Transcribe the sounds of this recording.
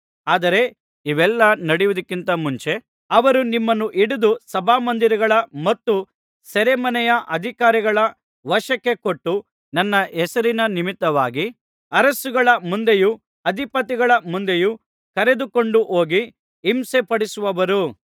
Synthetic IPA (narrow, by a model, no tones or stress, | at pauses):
aːd̪ɐɾe̞ | iʋɛlːɐnɐɽiʋud̪ɐkːint̪ɐmuɲt͡ʃe̞ | ɐʋɐɾunimːɐnːuʔiɽud̪usɐbʱaːmɐnd̪iɾɐɡɐɭɐmɐt̪ːu | sɛɾemɐnɛjɐʔɐd̪ʱikaːɾiɡɐɭɐ | ʋɐʃɐkːe̞koʈːu | nɐnːɐɛsɐɾinɐnimit̪ːɐʋaːɡi | ɐɾɐsuɡɐɭɐmund̪eju | ɐd̪ʱipɐt̪iɡɐɭɐmund̪e̞ju | kɐɾe̞d̪uko̞ɳɖuʔo̞ːɡiː | msepɐɽisuʋɐʋɐɾu